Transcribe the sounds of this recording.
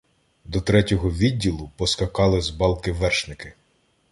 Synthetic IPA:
d̪ɔt̪ɾɛtʲɔɦɔʋʲidʲːilˠʊpɔskɐkɑlˠɪzbɑlˠkɪʋɛrʃnɪkɪ

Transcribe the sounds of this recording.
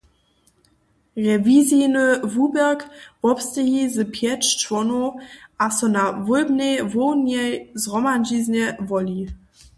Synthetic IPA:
ʁɛvizinəvubɛʁkv̥ɔpstəɦizəpʰjɛt͡ʃvɔnoʔasɔnavɔlbnevoʊnjɛjzʁɔmand͡ʒiznɛvɔli

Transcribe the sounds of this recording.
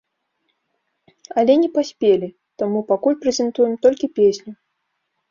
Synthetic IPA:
ɐlʲɛnʲɛpasʲpʲelʲi | t̪amupakulʲpɾɛzʲɛnt̪ujɛmt̪ɔlʲkʲipʲesʲnʲʊ

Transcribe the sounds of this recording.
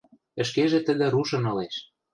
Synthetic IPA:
ə̆ʃkeʒĕt̪ə̆d̪ĕɾuʃɤ̆nɤ̆leʃ

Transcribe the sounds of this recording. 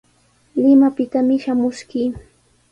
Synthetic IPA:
lɪmapɪt̪amɪʃamʊʃkɪː

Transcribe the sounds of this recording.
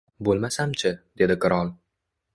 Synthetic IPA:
bolˠmasamt͡ʃʰɪd̪̥e̞d̪ɪkɪɾɒlˠ

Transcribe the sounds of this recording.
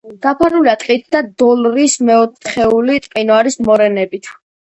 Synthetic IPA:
d̪̥apʰaɾuliat̪ʼqʼit̪̚ʰd̪ad̪ɔlɾismɛɔt̪ʰχɛulit̪ʼqʼinaɾismɔɾɛnɛbit̪ʰ

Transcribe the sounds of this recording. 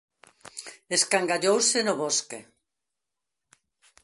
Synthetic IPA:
eskaŋɡaʎowsenoβoske

